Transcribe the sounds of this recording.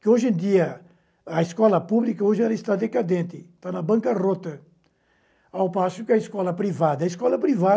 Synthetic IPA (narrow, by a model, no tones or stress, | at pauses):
kɪoʒẽd̪iɐ | ɐiskɔlɐpublikɐoʒɪɛlɐɪst̪ad̪ekad̪ẽnt̪ɪt̪anɐbɐ̃ŋkɐrot̪ɐ | awpasʊkɪɐiskɔlɐpɾivad̪ɐɐiskɔlɐpɾiva